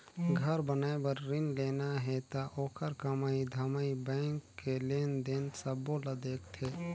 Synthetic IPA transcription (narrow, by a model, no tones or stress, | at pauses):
ɡʱəɾbənaːebəɾːɪnleːnaɦɛt̪aʔoːkʰəɾkəmaːid̪ʱəmaːibɛ̃ːŋkːeleːnd̪ensəbolad̪eːkt̪ʰeː